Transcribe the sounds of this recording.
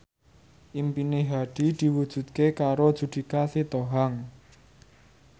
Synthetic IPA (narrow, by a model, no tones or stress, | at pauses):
ʔimpineɦaɖ̥i̤d̪̥i̤wud̥ʒ̥ṳt̪̚kekaɾod̥ʒ̥ṳd̪̥i̤kasit̪oɦaŋ